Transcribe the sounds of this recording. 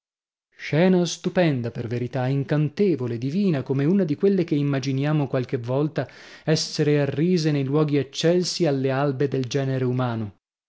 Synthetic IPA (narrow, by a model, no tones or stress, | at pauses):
ʃɛːnast̪upɛnd̪aperveɾit̪aiŋkant̪eːvoled̪iviːnakomeunad̪ikwelːek̟eimːad͡ʒinjaːmokwalkevːɔlt̪aɛsːeɾearːiːzenejlwɔːɡiat͡ʃːɛlsialːealbed̪eld͡ʒɛːneɾeumaːno